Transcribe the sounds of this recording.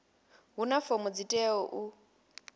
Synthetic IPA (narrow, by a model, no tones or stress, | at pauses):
ɦunafomɔd͡zitʼɛɔʔu